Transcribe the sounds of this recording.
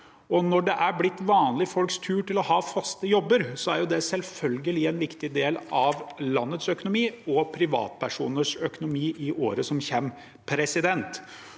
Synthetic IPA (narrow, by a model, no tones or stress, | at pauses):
ɔnɔɖɛʔæɾblɪt̪ːʋɑːnlɪfɔlkst̪ʰʉːʈɪlɔhɑːfɑst̪əjɔbːəɾsɔæɾjʊd̪ɛsɛlfœlɡəlɪɛnʋɪkt̪ɪd̪eːlɑʋlɑnːət̪sœkʊnʊmiːɔpʰɾɪʋɑ̰ːt̪̚pʰæʂṵːnəʂœkʊnʊmiːʔɪʔo̰ːɾəsɔmçɛm | pʰɾɛsɪd̪ɛnt̪